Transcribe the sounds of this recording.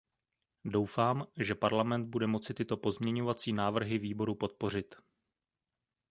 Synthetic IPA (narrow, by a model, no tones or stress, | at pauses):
do̞wfaːmʒɛpaɾlamɛnd̪̚budɛmo̞t͡sɪt̪ɪt̪o̞po̞zmɲɛɲo̞vat͡siːnaːvr̩ɦɪviːbo̞ɾupo̞t̪̚po̞r̝ɪt̪